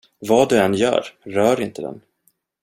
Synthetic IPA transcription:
vɑːd̪ɵɛnjœ̰ːɾɾœːɾɪnt̪əd̪ɛ̰n

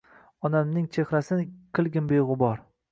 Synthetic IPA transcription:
ɒnamnɪŋt͡ʃʰeχɾasɪnkʲʰɨlˠɡʲɪnbejʁɨbɒɾ

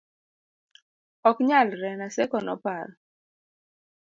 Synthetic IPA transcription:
ɔkɲalɾɛnasɛkɔnɔ̰paɾ

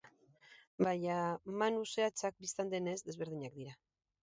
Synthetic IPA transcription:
baɲamanuse̞at͡sak̚bist̪and̪ene̞zd̪e̞zβe̞ɾð̞iɲak̚d̪iɾa

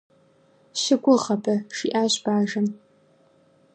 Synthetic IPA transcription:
ʃɪɡʷʊʁɐpʰʼɐʂḭːʔaːɕb̥aːʒɐm

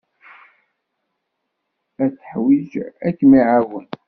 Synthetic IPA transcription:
æt͡sːə̥ħwid͡ʒækːmiʕawən

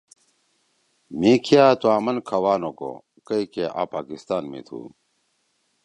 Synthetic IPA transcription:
miːkʰijaːt̪uaːmɐnkʰɐwaːnoko̰ | kɐikeʔa̰ːpaːkist̪aːnmḭːt̪ʰṵː

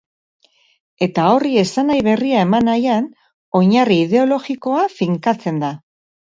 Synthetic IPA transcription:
e̞t̪ao̞rie̞sanajβe̞riae̞manajan | o̞ɲariːð̞e̞o̞lo̞ɣiko̞afiŋkat͡se̞nd̪a

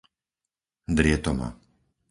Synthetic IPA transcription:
d̪ɾɪɛt̪ɔma̰

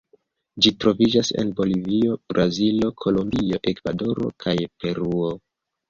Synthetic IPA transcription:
d͡ʒitɾo̞vid͡ʒase̞̰nbo̞livio̞b̥ɾazilo̞kʰo̞lombio̞ʔe̞kvado̞ɾo̞̰kʰajpe̞ɾuo

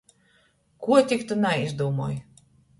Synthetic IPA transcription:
kuɔt̪ʲikt̪unaizd̪uːmuɔːj

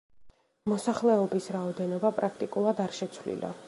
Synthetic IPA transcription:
mɔsaχlɛɔbisɾaɔd̪ɛnɔbapʼɾak̚ʰt̪ʼikʼulˠad̪aɾʃɛt̪sʰvlḭla̰

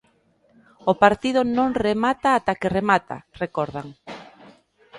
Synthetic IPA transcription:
opaɾt̪ið̞ʊnõŋremat̪aːt̪akeremat̪a̰rekɔɾðaŋ

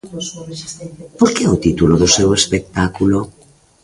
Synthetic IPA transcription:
poɾkeot̪it̪uloðosɛwespek̚t̪akulo

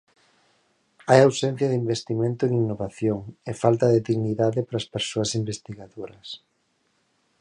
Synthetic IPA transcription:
ajawsen̟θjɐðimbest̪imẽnt̪ʊeŋinːoβaθjoŋefalt̪ɐðeðiɣniðaðɪpɾaːspeɾsoasimbest̪iɣaðoɾɐs

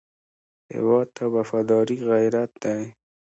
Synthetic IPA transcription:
hɪ̰wɑd̪̚t̪ʰawafɑd̪ɑɾiɣajɾat̪̚d̪aj

